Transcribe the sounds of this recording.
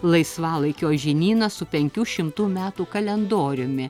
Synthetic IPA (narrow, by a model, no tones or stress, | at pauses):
lˠɐɪsʋɑːlˠɐɪkʲoːʒʲɪnʲiːnɐsʊpʲɛŋʲkʲuːʃʲɪmt̪uːmʲæːt̪uːkɐlʲɛnd̪oːɾʲʊmʲɪ